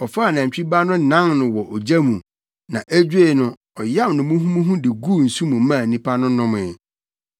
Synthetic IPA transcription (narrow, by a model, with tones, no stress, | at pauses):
ɔ˨faː˦˨nã˨ɲ˨t͡ɕᶣi˦ba˦nʊ̃˦nã˦ŋnʊ̃˨wɔ˨ʔɔ˨d͡ʑæ˦mũ˨ | nã˨ʔæ˦d͡ʑᶣe˦˨nʊ̃˦ | ɔ˨ja˦mnʊ̃˨mũ˦ɦũ˦mũ˦ɦũ˦dɪ˨ɡu˦˨n̩˨su˦mũ˨˦mã˦˨nĩ˦pʰa˦nʊ̃˦nʊ̃˦m˨ɛ˨